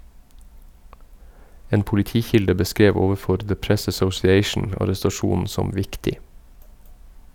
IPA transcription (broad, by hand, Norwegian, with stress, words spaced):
ˈeːn pʊlɪˈtiːˌçɪldə bəˈskɾeːʋ ˈoːʋəˌfɔɾ ðə ˈpɹɛs æsɔsɪˈeɪʃn̩ ɑɾɛstɑˈʃuːn̩ ˈsɔm ˈʋɪktɪ